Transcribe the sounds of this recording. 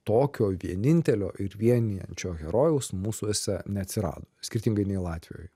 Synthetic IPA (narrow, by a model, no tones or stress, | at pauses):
t̪oːkʲoːʋʲiɛnʲɪnʲt̪ʲɛlʲo̰ːʔɪɾʋʲiɛnʲɪjɛ̰nʲt͡ʃʲoːɣʲɛɾoːjɛʊsmuːsuɪsʲɛnʲɛɐt̪ʲsʲɪɾɑ̰ːd̪oːsʲkʲɪɾʲt̪ʲɪŋɡɐɪnʲɛɪlˠɑːt̪ʲʋʲɪ̰jo̰ːj